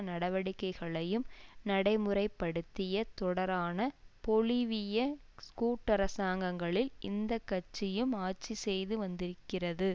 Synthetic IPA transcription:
nɐɽɐʋɐɽɪkːɐɪɣɐɭɐjɯmnɐɽɐɪmɯɾɐɪpːɐɽɯt̪ːɪjɐt̪ɔɽɐɾaːnɐpɔlɪʋɪjɐskuːʈːɐɾɐsaːŋɡɐŋɡɐɭɪlɪnd̪ɐkːɐt͡ʃːɪjɯmaːt͡ʃisɛjðɯʋɐnd̪ɪɾɯkːɪrɐðɯ

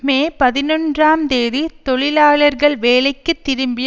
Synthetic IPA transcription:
meːpɐðɪnɔndraːmd̪eːðit̪ɔɭɪlaːɭɐɾɣɐɭʋeːlɐɪkːɯt̪ːɪɾɯmbɪj

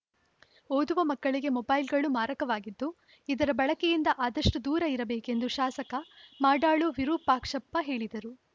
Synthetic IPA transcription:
oːd̪uʋɐmɐkːɐɭiɡe̞mɔbɐjlɡɐɭumaːɾɐkɐʋaːɡid̪ːu | id̪ɐɾɐbɐɭɐkejind̪ɐʔaːd̪ɐʂʈud̪uːɾɐiɾɐbeːke̞nd̪uʃaːsɐkɐmaːɖaːɭuʋiɾuːpaːkʂɐpːɐɦe̞ːɭid̪ɐɾu

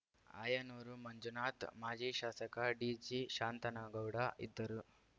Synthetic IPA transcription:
a̰ːjɐnoːɾumɐɲd͡ʒunaːt̪maːd͡ʒiːʃaːsɐkɐɖiːd͡ʒiʃaːnt̪ɐnɐɡɐwɽɐʔḭd̪ːɐɾu

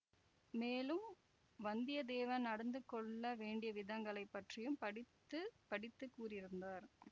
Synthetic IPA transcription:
meːlɯm | ʋɐnd̪ɪjɐd̪eːʋɐnnɐɽɐnd̪ɯkːɔɭːɐʋeːɳɖɪjɐʋɪðɐŋɡɐɭɐɪpːɐʈrɪjɯmpɐɽɪ | ɯpɐɽɪt̪ːɯkːuːrɪɾɯnd̪aːɾ

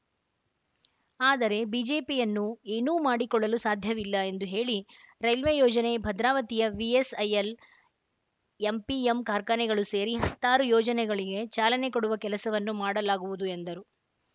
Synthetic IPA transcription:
aːd̪ɐɾe̞biːd͡ʒe̞ːpijɐnːueːnuːmaːɽikɔɭːɐlusaːd̪ʱjɐʋilːɐe̞nd̪uɦe̞ːɭiɾɐjlʋejɔːd͡ʒɐne̞bʱɐd̪ɾaːʋɐt̪ijɐʋiesɐjel | empiemkaːɾkanɛɡɐɭuse̞ːɾiɦɐt̪ːaːɾujɔːd͡ʒɐnɛɡɐɭiɡe̞t͡ʃaːlɐnekoɽuʋɐkɛlɐsɐʋɐnːumaːɽɐlaːɡuʋud̪ue̞nd̪ɐɾu

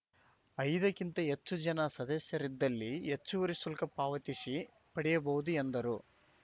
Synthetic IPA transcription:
ɐjd̪ɐkint̪ɐɦet͡ʃːud͡ʒɐnɐsɐd̪ɐsjɐɾid̪ːɐlːiet͡ʃːuʋɐɾisulkɐpaːʋɐt̪isi | pɐɽijɐbɐud̪uend̪ɐɾu

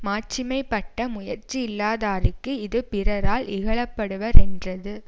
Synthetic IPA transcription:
maːt͡ʃɪmɐɪpːɐʈːɐmʊjɐɾt͡ʃiɪlːaːðaːɾɯkːɯɪðɯpɪɾɐɾaːlɪɣɐɭɐpːɐɽɯʋɐɾɛndrɐðɯ

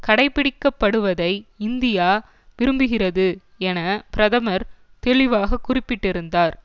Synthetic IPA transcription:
kɐɽɐɪpːɪɽɪkːɐpːɐɽɯʋɐðɐɪɪnd̪ɪjaː | ʋɪɾɯmbɯɣɪrɐðɯ | ɛnɐpɪɾɐðɐmɐɾ | t̪ɛɭɪʋaːɣɐkʊrɪpːɪʈːɪɾɯnd̪aːɾ

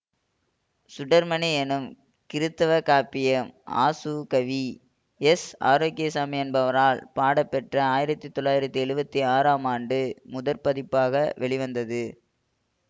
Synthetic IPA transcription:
sʊɽɐɾmɐnɛɛnɯm | kɪɾɯt̪ːɐʋɐkaːpɪjɐma̰ːsukɐʋi | ɛsa̰ːɾoːkːɪjɐsaːmiɐnbɐʋɐɾaːlpaːɽɐpːɛʈrɐaːjɪɾɐt̪ːɯt̪ːɔɭːaːjɪɾɐt̪ːɯɛɻɯbɐt̪ːiaːɾaːmaːɳɖɯmʊðɐɾpɐðɪpːaːɣɐʋɛɭɪʋɐnd̪ɐðɯ

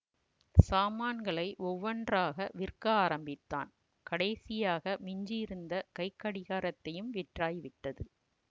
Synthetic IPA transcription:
saːmaːnɡɐɭɐɪʔɔʋːɐndraːɣɐʋɪrkɐaːɾɐmbɪt̪ːa̰ːn | kɐɽɐjsɪjaːɣɐmɪɲd͡ʒɪɪɾɯnd̪ɐkɐɪkːɐɽɪɣaːɾɐt̪ːɐjɯmʋɪʈraːjʋɪʈːɐðɯ

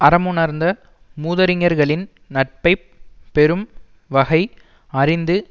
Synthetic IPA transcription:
ɐɾɐmɯnɐɾnd̪ɐ | muːðɐɾɪŋɐɾɣɐɭɪn | nɐʈ̚pɐɪ | pːɛɾɯm | ʋɐɣɐɪ | ɐrɪnd̪ɯ

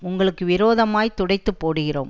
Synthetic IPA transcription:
ʊŋɡɐɭɯkːɯʋɪɾoːðɐmaːjt̪ːʊɽɐɪt̪ːɯpːoːɽɯɣɪro̰ːm

